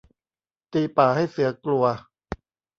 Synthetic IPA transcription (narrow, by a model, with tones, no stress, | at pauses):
t̪iː˧paː˨˩ha˥˩jsɯ˩˦ɐklu˧ɐ